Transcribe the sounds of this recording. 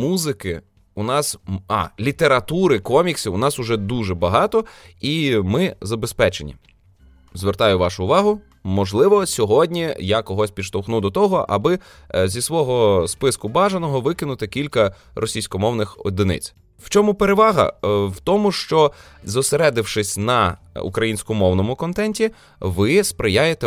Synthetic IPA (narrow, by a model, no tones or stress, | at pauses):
muzɪkɪ | ʊnɑsɑ̰lʲit̪eɾɐt̪uɾɪkɔmʲiksʲiʊnɑsʊʒɛd̪uʒɛbɐɦɑt̪ɔimɪzɐbespɛt͡ʃenʲḭ | zʋert̪ɑjʊʋɑʃʊːʋɑɦʊ | mɔʒlˠɪʋɔsʲɔɦɔdʲnʲijakɔɦɔsʲpʲi̥ʃt̪ɔwxnud̪ɔt̪ɔɦɔʔɐ̰bɪ | zʲisʋɔɦɔspɪskʊbɑʒenɔɦɔʋɪkɪnʊt̪ɪkʲilʲkɐ | ɾʔɔsʲijsʲkɔmɔwnɪxɔ̰d̪ɪnɪ̰t͡sʲ | wt͡ʃɔmʊpeɾeʋɑɦɐ̰wt̪ɔmʊʃt͡ʃɔ | zɔseɾɛd̪ɪwʃɪsʲnɐ | ṵkɾɐjinʲsʲkɔmmɔwnɔmʊkɔnt̪ɛnʲtʲi | ʋɪspɾɪjajet̪ɛ